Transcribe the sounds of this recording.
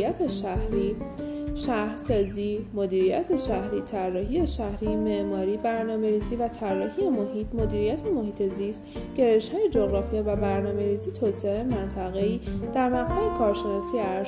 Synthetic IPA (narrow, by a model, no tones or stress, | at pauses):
jæt̪ʰeʃæhɾiːʃæhɾsɒːziːmod̪iːɾijæ̰t̪ʰe̞ʃæhɾiːt̪ʰærːɒːɦieʃæhɾiːmeʔmɒːɾiːbæɾnɒːme̞ɾiːziːvæt̪ʰærːɒːhijemoɦiːt̪ʰmo̞d̪iːɾijæt̪ʰe̞mo̞hiːt̪ʰe̞zist̪ɟ̥e̞ɾe̞ʃhɒːjed͡ʒoɣɾɒːfijɛvæbæɾnɒːme̞ɾiːzit̪ʰoːseemænt̪ʰæɣe̞iːd̪̥æɾmæʁt̪ʰæbekʰɒːɾʃe̞nɒːsijeæɾ